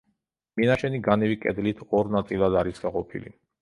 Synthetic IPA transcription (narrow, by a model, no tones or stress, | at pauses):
minaʃɛniɡanɛvikʼɛd̪lit̪ʰɔɾnat̪sʼilˠad̪aɾisɡaqʼɔpʰḭlḭ